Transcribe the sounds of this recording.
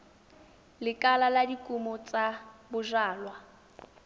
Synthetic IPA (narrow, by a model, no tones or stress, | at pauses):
lɪkʼalaladikʼumʊt͡sʼabʊʒaːlwa